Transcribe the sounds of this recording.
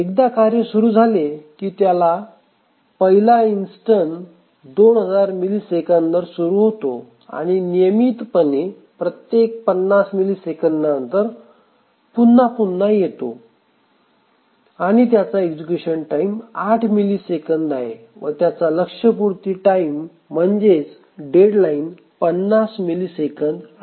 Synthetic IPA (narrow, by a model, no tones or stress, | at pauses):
ek̚d̪akaɾjəsuɾuːd͡zʱalekiːt̪jala | pəɦilainsʈən | d̪onɦəd͡zaɾmiliːsekəndəɾsuɾuɦot̪o | a̰ɽ̃inijəmit̪pənːe | pɾət̪jek̚pənːasmiliːsekənd̪naənt̪əɾ | punːapunːajet̪o̰ | aɽ̃it̪jat͡saeɡd͡ʑukuɕənʈaimaʈʰmilisekənd̪aɦe | ʋət̪jat͡saləkʂəpuɾt̪iʈaim̤ː | əɳd͡zet͡s | ɖeɽlain | pənːasmilisekənd̪